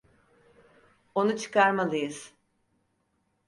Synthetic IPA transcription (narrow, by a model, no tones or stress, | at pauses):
o̞nut͡ʃʰɯ̥kʰaɾmalˠɯjɯz̥